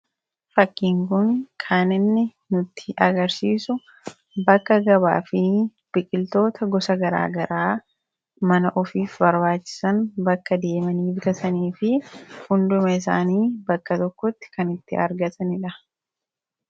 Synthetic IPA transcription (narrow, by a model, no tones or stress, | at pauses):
fɐkːiːŋkʊnkʰaːnɪnːɪ | nʊt̪ːɪ̥ʔɐɡɐɾsiːsʊ | bɐkːɐɡɐba̰ːfɪ | b̥ɪkʼɪlt̪o̞ːt̪ʰɐɡɔsɐɡɐɾa̰ːɡɐɾʔaː | mɐnɐʔɔfiːfbɐɾbaːt͡ʃːɪ̥sɐnbɐkːɐd̪e̞ːmɐniːbɪk̪ɐsɐniːfɪhʊnd̪ʊmɐɪs̬a̰ːniːbɐkːɐt̪ɔkːɔt̪ːɪ̥kɐnɪt̪ːɪɐ̰ɾɡɐt̪ɐnɪᶑɐ